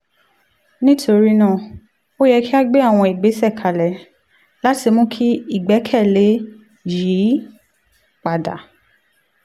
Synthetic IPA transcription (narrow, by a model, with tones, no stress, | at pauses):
nĩ˦tʰo˧ɾi˦nã˦˨ | o˦jɛ˧ki˦a˦ɡ͡be˦a˦˨w̃ɔ̃˧i˨ɡ͡be˨˦sɛ˦˨kʰa˨lɛ˨ | la˦ti˧mũ˦kʰi˦i˦˨ɡ͡bɛ˨˦kʰɛ˦˨le˨˦ | ji˨˦ | k͡pa˨da̰˨